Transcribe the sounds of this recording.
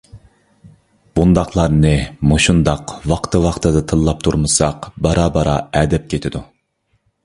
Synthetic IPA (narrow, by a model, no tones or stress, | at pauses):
b̥und̪ɑχlˠɑɾnɨmuʃund̪ɑqwɑqt̪ʰɨwɑqt̪ʰɨd̪ɑt̪ʰɨlˠːɑp̚t̪ʰuɾmɨsɑqbɑɾɑːbɑɾɑɛːd̪ɛp̚kʲʰet̪ʰɪd̪u